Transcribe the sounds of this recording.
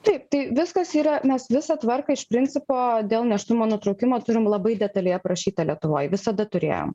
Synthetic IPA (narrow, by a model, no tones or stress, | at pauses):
t̪ɐɪp̚t̪ɐɪʋʲɪskɐsiːɾɐmʲɛsʋʲɪsɐt̪ʋɐrkɐɪʃpʲɾʲɪnʲt͡s̪ʲɪpoːd̪ʲeːlˠnʲɛʃt̪ʊmoːnʊt̪ɾɒʊkʲɪmoːt̪ʊɾʲɪmlˠɐbɐɪd̪ʲɛt̪ɐlʲɛjɛpɾɐʃʲiːt̪ɐlʲiɛt̪ʊʋoːjʋʲɪsɐd̪ɐt̪ʊɾʲḛːjo̰m